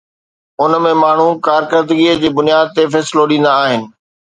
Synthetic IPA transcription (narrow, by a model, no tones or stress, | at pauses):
ʊnmẽmaːɳ̤ũkaːɾkəɾd̪əɡiəd͡ʑeːbʊnijaːd̪̚t̪efɛːsɪloɗĩːn̆d̪aːɦɪnɪ̆